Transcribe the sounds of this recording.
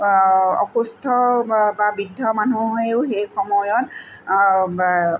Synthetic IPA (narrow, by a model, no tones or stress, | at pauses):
ɔ̰xust̪ʰɔbabidʱːɔmanuɦoeʊxejxɔmɔjɔt